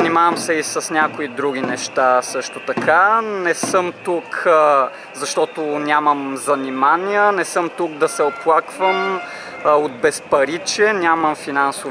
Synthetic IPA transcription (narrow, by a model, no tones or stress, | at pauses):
nimavəmsɛisɐsnʲakoid̪ɾuɡ̟inɛʃt̪asɤʃt̪ot̪ɐkʰanɛsɤmt̪uk | zɐʃt̪ɔt̪onʲaməmzɐnimaniənɛsɤmt̪uk̚d̪ɐsɛoplˠakvəm | od̪̚bɛspɐɾit͡ʃɛnʲaməmfinanso